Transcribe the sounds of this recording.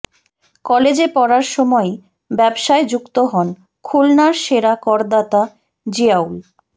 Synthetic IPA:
kɔled͡ʑepɔɾaɾʃɔmɔe | bɛbʃaed͡ʑukt̪oɦɔn | kʰulnaɾʃeɾakɔɾd̪at̪a | d͡ʑiawl

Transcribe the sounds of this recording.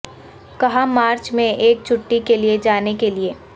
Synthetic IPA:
kɐɦãmaːɾt͡ʃmẽeːk̚t͡ʃʰʊʈːikelied͡ʒaːnekelieː

